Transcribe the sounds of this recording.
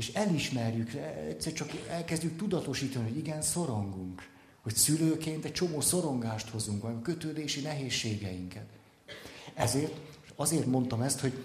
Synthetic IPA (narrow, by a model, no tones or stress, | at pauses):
eːʃɛliʃmɛrjykɛ̰t̪sɛrt͡ʃɒkɛlkɛzɟyk̚t̪ud̪ɒt̪o̞ʃiːt̪ɒniɦo̞ɟiɡɛnso̞ɾoŋɡuŋk | ho̞csyløːkeːnt̪ɛc̚t͡ʃomoːso̞ɾo̞ŋɡaːʃt̪ho̞zuŋkɒmkø̞t̪øːd̪eːʃinɛɦeːʃːeːɡɛjiŋkɛt̪ | ɛzeːrt̪ɒzeːrt̪mo̞nt̪omɛst̪ho̞ɟ